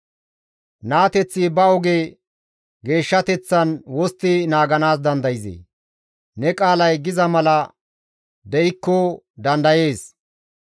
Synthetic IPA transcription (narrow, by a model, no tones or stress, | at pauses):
naːt̪ɛt͡sːɪbɐɔɡe | ɡe̞ːʃːɐt̪ɛt͡sːɐnwɔst̪ːɪnaːɡɐnaːsd̪ɐnd̪ɐjɪzḛː | nɛkʼaːlɐjɡɪzɐmɐlɐ | d̪ɛɪkːɔ | d̪ɐnd̪ɐje̞ːs